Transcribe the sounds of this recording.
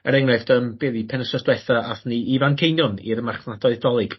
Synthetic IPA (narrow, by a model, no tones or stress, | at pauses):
əɾɛŋnɛfd̥əmb̥ɛːðipʰɛnəsɔsd̥wɛθaʔaθniʔivankʰejnjɔnḭrmarχnadɔɨðdɔlˠɨɡ̥